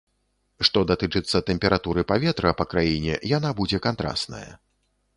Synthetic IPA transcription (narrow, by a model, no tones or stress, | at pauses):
ʂt̪ɔd̪at̪ɨt͡ʂɨt̪sːɐt̪ɛmʲpʲɛɾat̪uɾɨpavʲɛt̪ɾɐpɐkɾajinʲɛ̰janabud͡zʲɛkant̪ɾa̰st̪nɐ̰jɐ̰